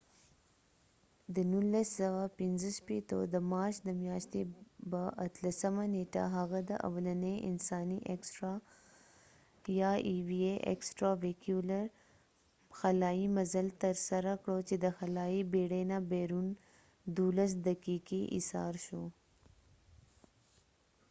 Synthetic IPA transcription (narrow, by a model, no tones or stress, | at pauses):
d̪ənulːasəwapɪnzəʃpet̪o̰d̪əmɑɾʃd̪əmjɑʃt̪ebəʔat̪lasəmaneʈa̰ɦaɣad̪əʔa̰wlaneʔɪ̰nsɑniʔeksʈɾa | jɑiwieʔḛksʈɾawekjulaɾ | xalɑimazəlt̪əɾsaɾakɽot͡ʃed̪əxalɑibeɽenabeɾun | d̪ulas̬d̪akikiʔɪ̰sɑ̰ɾʃo